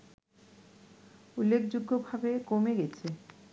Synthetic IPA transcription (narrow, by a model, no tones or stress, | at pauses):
ulːekd͡ʑuɡːobʱabekomeɡet͡ɕʰe